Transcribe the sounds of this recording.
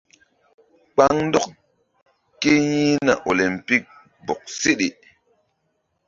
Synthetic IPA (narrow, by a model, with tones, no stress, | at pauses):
k͡pa˦ŋn˦dɔ˦k | ke˦jĩ˦na̰˨ʔo˨le˨mpi˦k̚ | bo˨k̚se˦ɗe˨